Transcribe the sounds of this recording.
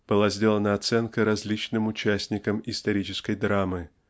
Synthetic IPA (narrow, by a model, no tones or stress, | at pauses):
b̥ɨlˠazʲdʲelˠənəɐt̪sɛnkəɾɐzʲlʲit͡ɕnɨmʊt͡ɕæsʲnʲɪkəmɪst̪ɐɾʲit͡ɕɪskəjd̪ɾamɨ